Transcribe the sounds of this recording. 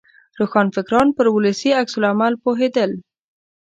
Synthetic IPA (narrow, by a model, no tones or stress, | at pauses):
ɾoxɑnfɪkɾɑnpəɾwʊləsiaksʊlamalpoɦed̪əl